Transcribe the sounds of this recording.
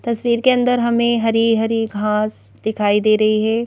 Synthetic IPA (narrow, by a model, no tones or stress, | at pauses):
t̪ɐsʋiːɾkeɐ̃nd̪əɾɦɐmẽɦɐɾiːɦɐɾiɡʱãːsd̪ɪkʰaːid̪eːɾɐɦiɦɛː